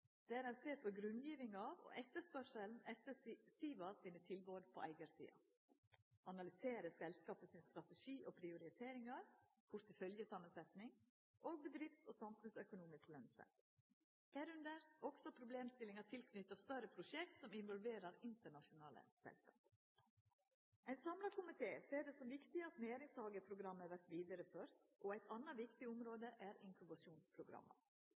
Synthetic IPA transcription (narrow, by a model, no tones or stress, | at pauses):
d̪̥ɛæɾɛseːt̪̚pʰɔɡɾʉnd̪jiːʋɪŋɑʋɔ̰ʔɛt̪ːəʂpœʂəln̩ɛt̪ːəsiːʋɑsɪnət̪ʰɪlboːd̪pʰɔ̰ʔæ̰ɪɡəɾsḭːɑ̰ | ɑnɑlʏseːɾəsɛlskɑːpəsɪnst̪ɾɑt̪ɛʂiːʔɔpʰɾɪʊɾɪt̪ʰeːɾɪŋɑɾkʰʊɾt̪ɪfœljəsʰɑmːənsɛt̪nɪŋ | ʔoːɡ̚bəd̪ɾɪfsɔsɑmfʉnsœkʊnuːmɪsklœnsɛ̰t̪ | hæːɾʉnd̪əɾɔɡsɔpʰɾʊbleːmst̪ɪlɪŋɑt̪ʰɪlkʰnʏt̪ːəst̪œɾəpʰɾʊʂɛkt̪sɔmɪnʋɔlʋeːɾəɾɪnt̪əɳɑʂʊnɑ̰ːlə̰sɛ̰lskɑ̰ːp | ʔæɪnsɑmlɑkʰʊmɪt̪ʰeːseːɖɛsɔmʋɪkt̪ɪɑt̪nɛjeːɾɪŋsɑːɡəpʰɾʊɡɾɑmːəʋæɾʈ̪ʋiːd̪əɾəføːɾt̪ʔɔæɪt̪ʰɑnɑʋɪkt̪ɪʊmɾoːd̪əʔæɾɪŋkʉbɑʂuːnspʰɾʊɡɾɑ̰mːə̰ɾ